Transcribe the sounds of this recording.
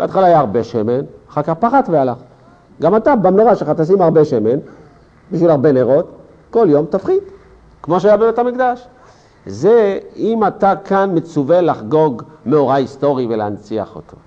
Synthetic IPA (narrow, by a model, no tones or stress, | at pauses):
b̥eat̪χalaːjaːʁbe̞ʃemenχakapaχatvealaχ | ɡamatabamnoʁaʃeχat̪as̬imaʁbe̞ʃemen | biʃvilaʁbe̞neʁo̞t̪ | ko̞ljo̞mt̪afχid | kmo̞ʃ̬ajabebetamikd̪aʃ | zeimatakanme̞t͡suvelːaχɡo̞ɡmeo̞ʁaisto̞ʁiveleant͡sia̰χo̞̰t̪ʰo̞̰